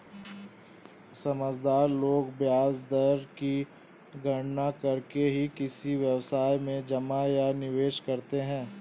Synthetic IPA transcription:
sɐməd͡ʒd̪aːɾloːɡbjaːd͡ʒd̪əɾki | ɡʱɐɽnakɐɾkeɦikɪsiʋjɐʋsaːjmẽd͡ʒɐmajanɪʋeːʃkɐɾt̪eɦɛ̃ː

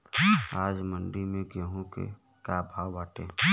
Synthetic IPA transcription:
aːd͡ʒməɳɖimẽkjəɦõkḛ | kabʱaːwbaːʈḛ̃ː

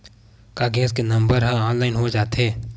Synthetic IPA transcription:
kaːɡẽːskenɐ̃mbəɾɦãaːnlaːɪnɦod͡ʒaːt̪ɦeː

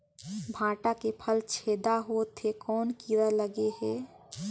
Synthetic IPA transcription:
bʱãːʈakepʰəlt͡ʃʰeːd̪aɦot̪ʰekɔːnkiɾələɡeɦɛː

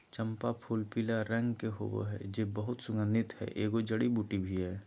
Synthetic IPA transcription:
t͡ʃə̃mpapʰuːlpilaɾə̃ŋɡkeɦo̰bo̰ɦɛ̰d͡ʒebəɦʊt̪sʊŋənɪt̪hɛ̰ʔeːɡod͡ʒəɽibuːʈibʱiɦɛː

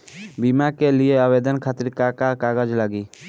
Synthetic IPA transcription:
bimakelieəʋeːd̪ənkʰaːt̪ɪɾkakakaːɡəd͡ʒlaɡi

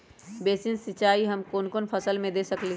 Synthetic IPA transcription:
beːsinsit͡ʃaːiɦəmkoːnkoːnpʰəsəlmẽd̪esəkli

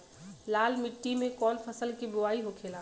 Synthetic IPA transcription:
lalmiʈːimẽkɔlpʰəsəlkiboaiɦokʰela

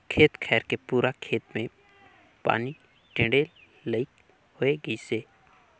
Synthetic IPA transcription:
kʰeːt̪kʰɛːɾkepuːɾakʰeːt̪mẽ | pa̰ːni | ʈɪ̃ɖeːlː | əɪk | hoeɡəiseː

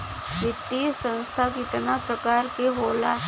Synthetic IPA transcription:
ʋɪt̪ːisə̃nst̪ʰakɪt̪napɾəkaːɾkeɦoːla

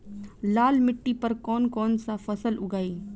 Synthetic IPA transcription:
laːlmɪʈːipɐɾkɔːnkɔːnsafɐsəlʊɡaːiː

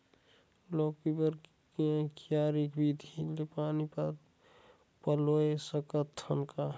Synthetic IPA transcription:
loːkibəɾ | kẽkjaːɾikbid̪ʱilepaːnip | pəloesəkət̪ʰːənka

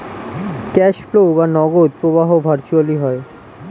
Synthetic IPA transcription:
kɛʃflobanɔɡod̪̚pɾobaɦobʱaɾt͡ɕualiɦɔe

